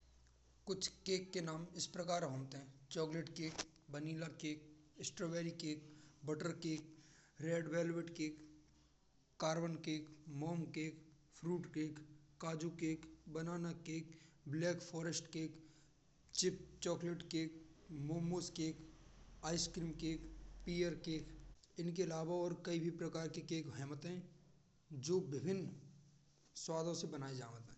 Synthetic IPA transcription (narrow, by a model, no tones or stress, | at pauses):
kʊt͡ʃʰkeːkːenaːmɪspɾɐkaːɾɦõːmt̪eɦɛ̃t͡ʃɔːkleʈkeːk | bəniːlakeːk̚ɪsʈɾoːʋeːɾikeːk̚bəʈəɾkeːk̚ɾeːɖʋɛːlʋeʈkeːk | aːɾbənkeːkmɔːmkeːk | fʰɾuːʈkeːkː | aːd͡ʒukeːkbənaːnakeːk | blɛːkpʰɔːɾəsʈkeːk | t͡ʃɪp̚t͡ʃɔːkleʈkeːk̚moːmoːskeːkaːɪskɾiːmkeːkpiːəɾkeːk | ɪnkeɐlaːʋaɔːɾkɐibʱipɾɐkaːɾkekeːkɦɛːmət̪ɦɛ̃ | d͡ʒoːbɪbʱɪn | swaːd̪ʱõsebənaːed͡ʒaːʋət̪ɦɛ̃